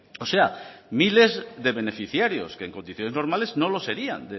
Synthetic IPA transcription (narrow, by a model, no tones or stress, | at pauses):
oseamile̞zðe̞βe̞ne̞fiθjaɾjo̰skeːŋko̞nd̪iθjo̞ne̞znoɾmale̞zno̞lo̞se̞ɾia̰nd̪e